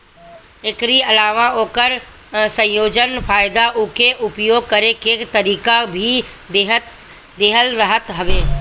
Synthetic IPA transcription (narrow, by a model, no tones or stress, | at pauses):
ekɾiɐlaːʋaoːkəɾ | sə̃joːd͡ʒənfʰaːjd̪aʔʊkeʔʊpjoːɡ̚kəɾekeːkt̪əɾiːkabʱi | eɦt̪ | d̪eːɦəlɾəɦət̪ɦɐʋeː